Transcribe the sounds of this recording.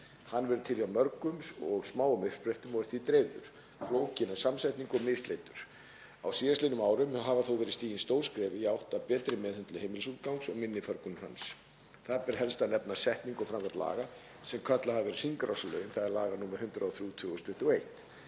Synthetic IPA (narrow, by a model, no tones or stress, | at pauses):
hanːvɛɾʏt̪ʰɪljiawmœɾkʏmsɔɣsmaːwʏmʏr̥pɾeht̪ʏmɔɾɪ̥θvit̪ɾeːðʏ̰ɾ̥ | ploːwcɪnasamsajht̪niŋkɔɣmɪst̪lejt̪ʏɾ̥ | a̰wsiːðaslɪnʏmaːwɾʏmɦaːvaθowvɛɾist̪iːjɪnst̪owɾ̥skɾɛːvɪjawht̪apɛːt̪ɾɪmɛːðhʏnt̪lʏhejmɪlsuːt̪kawŋksɔɣmɪnːɪfœɾkʏnha̰ns | θaðpɛɾ̥ɦɛlst̪anɛpnasɛht̪niŋkɔfɾamkʰat̪la̰ːɣa | sɛmkʰœt̪lahavɛɾr̥iŋkɾawsalœ̰ːɥnθaðɛɾlaːɣanuːmaɾ̥hʏnt̪ɾaawθjuːt̪ʰvʏːɣʏst̪ʏht̪ɪejht̪